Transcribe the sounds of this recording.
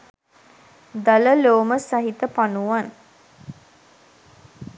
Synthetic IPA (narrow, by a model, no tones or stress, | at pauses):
d̪aləloːməsaɦit̪əpanuʋan